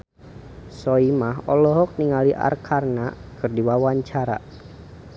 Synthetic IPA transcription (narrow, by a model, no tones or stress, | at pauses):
sɔimaɦɔlɔɦɔk̚niŋaliʔa̰rkʰarnakɨrdiwawaɲt͡ʃaɾa̰